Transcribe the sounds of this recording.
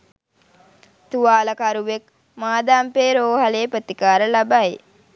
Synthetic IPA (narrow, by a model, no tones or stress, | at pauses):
t̪uʋaːləkaɾuʋek | maːd̪aːmpeːɾoːɦaleːpət̪ikaːɾəlabaj